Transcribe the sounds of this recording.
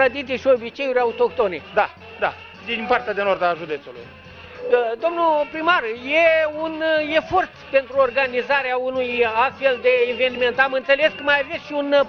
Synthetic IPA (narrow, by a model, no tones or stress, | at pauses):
ad̪it̪iʃio̞bit͡ʃe̞juɾʲaut̪o̞kt̪o̞ned̪a | d̪a̰ | d̪inpart̪ead̪enord̪aʒud̪e̞t̪sulṵj | d̪o̞mnupɾimarje̞une̞fo̞rt̪pe̞nt̪ɾuorɡanizaɾeaunujast̪fe̞ld̪e̞ːve̞nime̞nt̪amɨnt̪se̞le̞skəmajave̞sʃiun